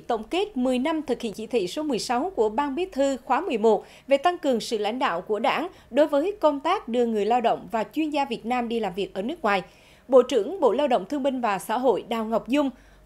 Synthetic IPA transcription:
t̪ə̰˧˩wŋ͡mke˦˥t̚mɨ˨˩əjna˧mt̪ʰɨ˨˩k̚hḭ˧˨ənt͡ɕḭ˧˩t̪ḭ˧˨so˨˦mɨ˨˩əjsa˨˦wku˧˩əɓaː˧nɓi˦˥ət̚t̪ʰɨ˧xwaː˨˦mɨ˨˩əjmo˨˩t̚ | ve˨˩t̪a˧ŋkɨ˨˩əŋsɨ̰˧˨la̰˧˥jŋ̟ɗa̰ː˧˨wku˧˩əɗa̰ː˧˥˩ŋɗo˨˦jvəː˨˦jkə˧wŋ͡mt̪aː˦˥k̚ɗɨ˧əŋɨ˨˩əjlaː˧wɗə̰˧˨wŋ͡mvaː˨˩t͡ɕwi˧ənzaː˧vi˨˩ət̚naː˧mɗi˧laː˨˩mvi˨˩ək̚ʔəː˧˩nɨ˦˥k̚ŋwaː˨˩j | ɓo̰˧˨t͡ɕɨ̰˧˩əŋɓo̰˧˨laː˧wɗə̰˧˨wŋ͡mt̪ʰɨ˧əmi˧ŋ̟vaː˨˩sa̰ː˧˥ɦo̰˧˨jɗaː˨˩wŋa˨˩wk͡p̚zʊ˧ŋ͡m

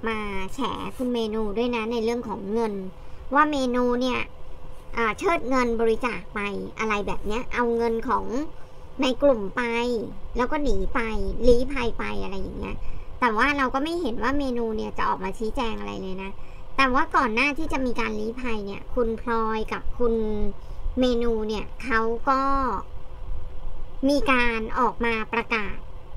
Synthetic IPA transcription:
maː˧t͡ɕʰɛ̰ː˩˦kʰu˧nmeː˧nuː˧du˥˩əjna˦˥na˧jɾɯ˥˩əŋkʰɔː˩˦ŋːɤ˧nwaː˥˩meː˧nuː˧ni˥˩ɐʔɤː˨˩t͡ɕʰɤː˥˩t̪̚ŋɤ˧nbɔː˧ɾi˦˥t͡ɕaː˨˩k̚pa˧jʔa˧ɾa˧jbɛ̰ː˨˩p̚ni˦˥ɐʔa˧wŋɤ˧nkʰɔː˩˦ŋ | na˧jklu˨˩mpa˧jlɛː˦˥wkɔː˥˩niː˩˦pa˧jliː˦˥pʰa˧jpa̰˧jʔa̰˧ɾa˧jːa̰˨˩ŋːi˦˥ɐt̪ɛː˨˩waː˥˩ɾa˧wkɔː˥˩ma˥˩jɦe˩˦nwaː˥˩meː˧nuː˧ni˥˩ɐt͡ɕa˨˩ʔɔ̰ː˨˩k̚maː˧t͡ɕʰiː˦˥t͡ɕɛː˧ŋʔa˧ɾa̰˧jlɤː˧jna˦˥t̪ɛː˨˩waː˥˩kɔː˨˩nːaː˥˩t̪ʰiː˥˩t͡ɕa˨˩ʔmiː˧kaː˧nliː˦˥pʰa˧jni˥˩ɐkʰu˧npʰlɔː˧jka˨˩p̚kʰu˧n | meː˧nuː˧ni˥˩ɐkʰa˦˥wkɔː˥˩ | miː˧kaː˧nʔɔː˨˩k̚maː˧pɾa˧kaː˨˩t̪̚

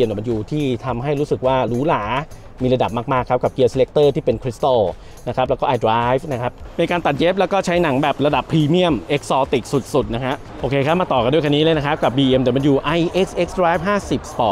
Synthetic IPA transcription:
e˧mdma˧juː˨˩t̪ʰiː˥˩t̪ʰa˧mɦa˥˩jɾuː˦˥sɯ˨˩k̚waː˥˩ɾuː˦˥laː˩˦ | miː˧ɾa˧da˨˩p̚maː˥˩maː˥˩kʰːa˦p̚ka˨˩p̚ki˧əse˧le˦˥k̚t̪ɤː˥˩t̪ʰiː˥˩pe˧nkʰɾi˦˥st̪a˥˩ | na˦˥kʰa˦˥lɛ˦wkɔ˥˩ʔa˧jdɾaː˦˥jfna˦˥kʰa˦˥p̚ni˧kaː˧nt̪a˨t̪̚jeː˦˥p̚lɛ˦˥wkɔː˥˩t͡ɕʰa˦˥jna˩˦ŋbɛː˨˩p̚ɾa˧da˨˩pʰːɾiː˧mi˥˩əmʔe˦˥k̚sɔː˧t̪i˨˩k̚su˨˩t̪̚su˨˩t̪̚na˦˥kʰa˦˥ʔ | ʔoː˧kʰeː˧kʰa˦˥˩maː˧t̪ɔː˨˩ka˧ndu˥˩˨ka˧nːiː˦˥lɤː˧jna˦˥kʰa˦˥p̚ka˨˩p̚biː˧ʔe˧mdma˧njuː˨˩ʔa˧jʔe˦˥ksʔe˦˥k̚sdɾaː˦˥jf̚ɦaː˥˩si˨˩p̚sp̪ɔː˨˩t̪̚

